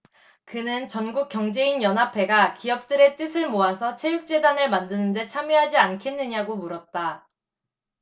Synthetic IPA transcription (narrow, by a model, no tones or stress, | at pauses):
kɯnɯnt͡ɕʌnɡuk̚k͈jʌŋd͡ʑe̞injʌnɦapʰe̞ɡakiʌp̚t͈ɯɾe̞t͈ɯsʰɯɭmoasʰʌt͡ɕʰe̞juk̚t͡ɕ͈e̞danɯɭmandɯnɯnde̞t͡ɕʰamjiɦad͡ʑiankʰe̞nːɯɲaɡomuɾʌt̚t͈a